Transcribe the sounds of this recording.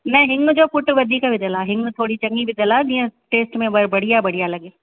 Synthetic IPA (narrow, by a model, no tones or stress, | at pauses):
nɐɦɪŋɡd͡ʑoːpʊʈʋɐd̪ʱiːkʋɪd̪ʱəlaɦɪŋɡt̪ʰoːɽit͡ɕɐŋɡibɪd̪ʱəlaːd͡ʑĩːə̃ʈeːsʈmẽbɐbɐɽ̤ijabɐɽ̤ijalɐɠeː